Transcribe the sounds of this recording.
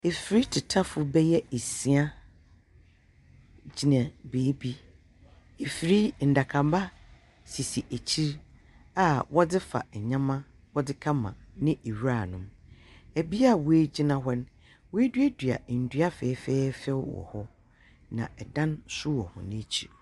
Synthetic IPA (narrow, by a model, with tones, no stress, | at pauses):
e˨fi˨ɾi˦tʰɪ˨tʰa˦fʊ˨bɛ˦jɛ˦e˨si˨˦a˦ | d͡ʑi˨nã˨beː˨˦bi˦ | e˨fi˨ɾi˦n̩˨da˨kʰã˨m˦ba˦ | si˨si˨ʔæ˨t͡ɕʰi˦ɾ | a˨wɔ˦dɪ˦fa̰˨ɲã˦mã˦ | wɔ˦dɪ˦kʰã˦mã̰˨nɪ̃˦ʔe˨wi˦ɾa˦˨nʊ̃˨mæ˨bi˦a˦˨wo˨e˦d͡ʑi˦nã˨ɦɛ˦n | wo˦e˦dɥe˦dɥa̰˨n̩˨dɥa˦fɛː˨˦fɛː˦fɛ˦wwɔ̰˨hɔ˦ | nã̰˨ɛ˨dã˦nsʊ˦wɔ˨hʊ̰̃˨nɪ̃˦˨t͡ɕʰḭ˨ɾ